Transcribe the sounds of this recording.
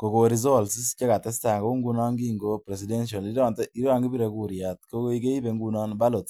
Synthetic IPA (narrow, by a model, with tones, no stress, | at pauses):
ko˨ko˨ɾi˨z̬o˦˨lsi˦st͡ʃe˦ka˨tɛ˦sta˨ŋɡo˦ŋɡu˦nɔ˦ŋɡi˦ŋɡo˦pɾe˨s̬i˨de˦nʃ̬a˨li˦ɾɔ˦˨nte˦i˦ɾa˦ŋɡi˦bi˦ɾe˨˧ku˦ɾja˨tko˦ko˦i˦ke˦i˦be˧˦ŋɡu˦nɔ˦nba˦lo˨t